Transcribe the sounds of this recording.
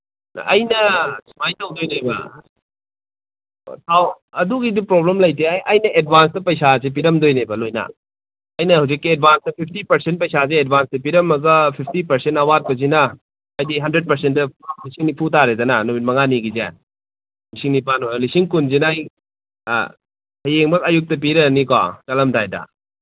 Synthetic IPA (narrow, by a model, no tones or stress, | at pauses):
ɐjnɐsʰmajtawdojnebɐ̰ | tʰaw | ɐduɡidipɾoblemlɐjtʰeajʔɐjnɐʔed̚bʱans̬tɐpɐjsazep̬iɾɐmdojnebɐlojnɐ̰ | ɐjnɐɦawzikːied̚bʱanstɐpʰipʰtipɐɾsent̚pɐjsazeːdbʱanstɐp̬iɾɐmɐɡɐpʰipʰtipɐɾsentɐwat̚pɐzinɐː | jdiɦɐndɾed̚pɐɾsentːɐlisiŋnipʰutaɾedɐnɐnomit̚mɐŋaniɡizḛ | misiŋnipanolisiŋkunzinaj̰ | hɐjeŋbɐkɐjuk̚tɐp̬iɾɐnika̰t͡ʃɐlɐmdajdɐ̰